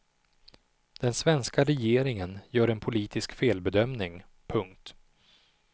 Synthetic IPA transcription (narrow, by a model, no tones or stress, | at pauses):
d̪̥ɛnsvɛnskaɾɛjeːɾɪŋənjœːɾɛnpʰʊliːt̪ʰɪskfeːlbɛd̪œmnɪŋ | pʰɵŋk̚t̪